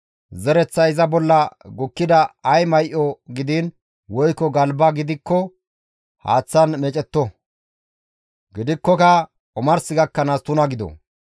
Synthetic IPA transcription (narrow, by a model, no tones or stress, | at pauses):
zɛɾɛt͡sːɐɪzɐbɔlːɐɡʊkːɪd̪ɐɐjmɐjʔɔɡɪd̪in | wɔjkːɔɡɐlbɐɡɪd̪ɪkːɔ | ha̰ːt͡sːɐnmɛt͡ʃʼɛt̪ːɔ | ɡɪd̪ɪkːɔkɐ | ɔmɐɾsɪɡɐkːɐnaːst̪ʊnɐɡɪd̪ɔ̰